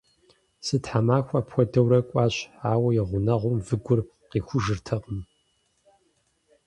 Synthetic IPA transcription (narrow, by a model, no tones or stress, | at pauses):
sɨtħamaːxʷɐpxʷɔdɐwɾɐkʷʼɑːɕaːwɐjɪʁʷʊnɐʁʷʊmvɨɡʷʊr | qiːxʷʊʒɨrtʰɐqʼəm